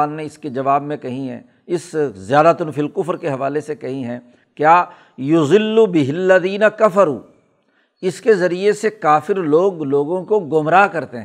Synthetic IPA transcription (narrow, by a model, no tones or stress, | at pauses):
aːnneɪsked͡ʒɐʋaːbmẽkɐɦĩɦɛ̰̃ː | ɪszɪjaːd̪at̪ʊnfɪlkʊfɾkeɦɐʋaːlesekɐɦĩɦɛ̃ː | kjaː | jʊzɪlːubɪɦɪlːɐðiːnɐkɐfɐɾuː | ɪskezɐɾiesekaːfɪɾloːɡloːɡõkoɡʊmɾaːkɐɾt̪eɦ